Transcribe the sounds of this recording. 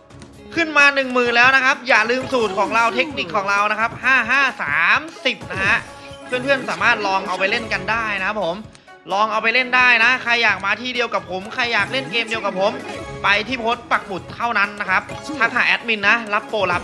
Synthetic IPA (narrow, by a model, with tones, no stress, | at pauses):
kʰɯ˥˩nmaː˧nɯ˨˩ŋmɯː˨˩nlɛː˦˥wna˦˥kʰa˦˥p̚jaː˨˩lɯː˧msuː˨˩t̪̚kʰɔː˩˦ŋɾa˧wt̪ʰe˦˥k̚ni˨˩kʰːɔː˩˦ŋɾa˧wna˦˥kʰa˦˥p̚haː˥˩ɦaː˥˩saː˩˦msi˨˩p̚na˦˥ɦa˦˥ʔ | pʰɯ˥˩ənpʰɯ˥˩ənsaː˩˦maː˥˩t̪̚lɔː˧ŋʔa˧wpa˧jle˥˩nka˧ndaː˥˩jna˦˥kʰa˦˥pʰːo˩˦m | lɔː˧ŋʔa˧wpa˧jle˥˩ndaː˥˩jna˦˥kʰa˧jːaː˨˩k̚maː˧t̪ʰiː˥˩di˧əwka˨˩pʰo˩˦mkʰa˧jːaː˨˩k̚le˥˩nkeː˧mdi˧əwka˨˩p̚ʰːo˩˦mpa˧jt̪ʰiː˥˩pʰoː˦˥t̪̚pa˨˩k̚bu˨˩t̪ʰːa˥˩wna˦˥nːa˦˥kʰa˦˥p̚t̪ʰa˦˥k̪̚haː˨˩ʔɛ˦˥t̪̚mi˧nːa˦˥la˦˥p̚ːoː˧la˦˥p̚